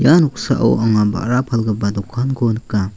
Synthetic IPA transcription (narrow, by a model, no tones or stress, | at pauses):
januksaʔa̰w̰aŋaba̰ʔɾapʰalɡɯbadɔkʰanɡɔnɯka